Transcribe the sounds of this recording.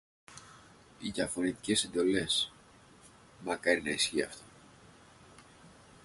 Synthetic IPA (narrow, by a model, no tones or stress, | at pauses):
iðɐfo̞nit̪i̥ce̞se̞nd̪o̞le̞s | mɐkɐɾinɐisçiɐ̰ft̪o̥